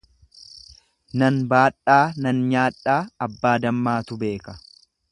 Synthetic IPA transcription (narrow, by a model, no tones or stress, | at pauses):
nɐnbaːᶑaːnɐnɲaːᶑaːɐbːaːd̪ɐmːaːt̪ʊbe̞ːkɐ